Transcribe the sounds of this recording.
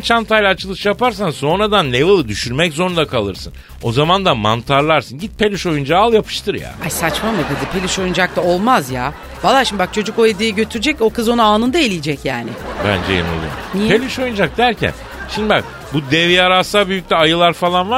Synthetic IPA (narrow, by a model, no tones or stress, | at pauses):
t͡ʃʰant̪ʰajlʲaːt͡ʃʰɯlˠɯʃjapaɾs̬anso̞nɾad̪anlʲevɯlˠɯd̪yʃyɾmɛczo̞ɾund̪akʰalˠɯɾsɯn | o̞zamand̪ama̰nt̪ʰaɾlˠaɾsɯnɟit̪̚pʰe̞lʲiʃo̞jund͡ʒaalˠjapʰɯ̥ʃt̪ʰɯɾja̰ajsat͡ʃmamɯd̪ed̪ipʰelʲiʃo̞jund͡ʒak̚t̪ao̞lˠmazja | valˠːaːʃimd̪ibak̚t͡ʃʰo̞d͡ʒuko̞ed̪ijɛɟø̞t̪ʰyɾyd͡ʒɛco̞kɯzo̞nuaːnɯnd̪aelʲijid͡ʒɛcjaːnɪ̰bæ̰nd͡ʒɛ̰jḛno̰lˠṵjo̰mnipelʲiʃo̞jund͡ʒak̚d̪æɾcʰæ̰n | ʃimd̪ibak̚ | bud̪ɛvijaɾasaːbyjyc̚ʲlʲɛajɯlˠaɾfalˠanva